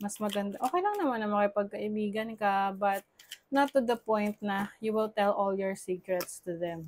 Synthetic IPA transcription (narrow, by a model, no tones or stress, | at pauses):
mɐsmɐɡɐnd̪aʔoːkɛjlɐŋnɐmanːɐmɐkɪpɐɡ̚kɐʔɪbiːɡɐnkɐbɐt̪̚nɐt̪ːud̪ɐpɔ̃jnt̪̚nɐjuwɪlt̪ɛlʔɔljɔɹsiːkɹɛt̪st̪ʊðɛm